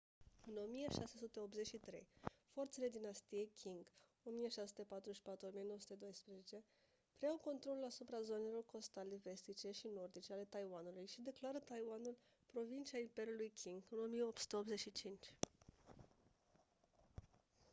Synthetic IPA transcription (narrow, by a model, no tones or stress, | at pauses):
ɨno̞mije̞ʃase̞sut̪e̞o̞pze̞ʃit̪ɾe̞̰jfo̞rt̪se̞le̞d̪inast̪ije̞jkʲʰiŋɡ | o̞mije̞ʃassut̪e̞pat̪ɾuʃi̥pat̪ɾuomije̞nosut̪e̞d̪o̞jspɾeze̞t͡ʃe̞ | pɾeawko̞nt̪ɾo̞lulasupɾazo̞nelo̞rko̞st̪ale̞ve̞st̪it͡ʃe̞ʃino̞rd̪it͡ʃeale̞t̪ajwanulujʃid̪e̞klaɾət̪ajwanul | pɾo̞vint͡ʃiaimpe̞ɾjulujkʲʰiŋɡɨno̞mijeo̞p̚t̪su̥t̪e̞o̞pze̞t͡ʃʃit͡ʃint͡ʃʲ